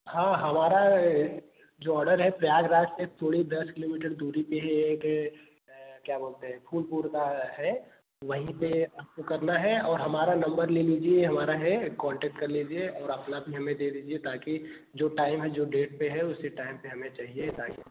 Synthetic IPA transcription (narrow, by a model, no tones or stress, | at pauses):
ɦãːɦɐmaːɾa | d͡ʒoːɔːɖəɾɦɛpɾɐjaːɡɾaːsek̚t̪ʰoːɽid̪ɐskɪloːmiːʈəɾd̪uːɾipeɦɛːk | kjaːboːlt̪eɦɛ̃pʰuːlpuːɾkaɦɛ | ʋɐɦĩpeɐpkokɐɾnaɦɛɔːɾɦɐmaːɾanɐ̃mbəɾleːliːd͡ʒieɦɐmaːɾaɦɛkɔ̃ːɳʈɛːk̚ʈkɐɾliːd͡ʒieɔːɾɐpnabʱiɦɐmẽd̪eːd̪iːd͡ʒiet̪aːki | d͡ʒoːʈaːɪmɦɛd͡ʒoːɖeːʈ̚peɦɛʊsːeʈaːɪmpeɦɐmẽt͡ʃaːɦieɦsaːkḭ